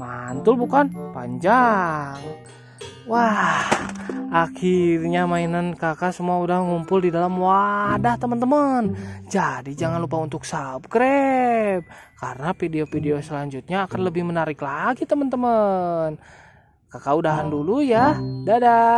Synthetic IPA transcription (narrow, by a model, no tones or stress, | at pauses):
mant̪ʊlbukanpa̰ɲd͡ʒaŋ | wahʔakirɲamainankakasəmuaudahŋumpʊldidalamwadaht̪əmənt̪əmənd͡ʒadid͡ʒaŋanlupaunt̪ʊksab̚kɾɛb̚kaɾənapideofideosəlaɲd͡ʒut̪̚ɲaːkanləbɪhmənaɾɪklaɡit̪əmənt̪əmən | kakaudaɦandulujadada